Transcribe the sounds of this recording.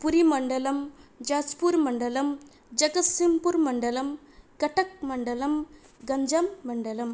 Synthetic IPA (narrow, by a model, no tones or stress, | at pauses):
puɾimɐɳɖɐlɐmd͡ʒaːd͡ʒpuɾmɐɳɖɐlɐm | d͡ʒɐɡɐsimpuɾmɐɳɖɐlɐm | kɐʈɐk̚mɐɳɖɐlɐm | ɡɐɲd͡ʒɐmːɐɳɖɐlɐm